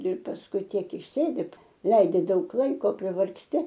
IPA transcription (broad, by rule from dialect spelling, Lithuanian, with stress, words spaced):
ɪr pɐsˈkʊɪ ˈtʲiɛk ɪʃʲˈsʲeːdʲɪt ˈlˠɐɪdʲɪ ˈdɐʊk ˈlˠɐɪkoː pʲrʲɪʋɐrksʲˈtʲɪ